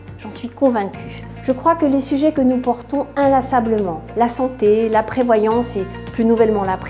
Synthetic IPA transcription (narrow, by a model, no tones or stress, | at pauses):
ʒ̥ɑ̃sɥikɔ̃vɛ̃kʲʰy̥ | ʒ̥əkχwakəlesyʒɛkənupɔʁt̪ɔ̃ɛ̃lasabləmɑ̃lasɑ̃t̪elapχevwajɑ̃se | plynuvɛlmɑ̃lapχ